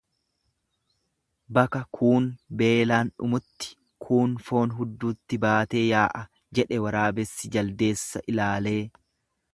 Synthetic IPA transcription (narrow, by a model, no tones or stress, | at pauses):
bɐkɐkʰuːnbe̞ːlaːnᶑʊ̰mʊt̪ːɪ̥ | kʰuːnfo̞ːnɦʊd̪ːuːt̪ːɪbaːt̪e̞ːjaːʔɐ | d͡ʒɛᶑɛwɐɾaːbɛsːɪd͡ʒɐld̪e̞ːsːɐʔɪlaːle̞ː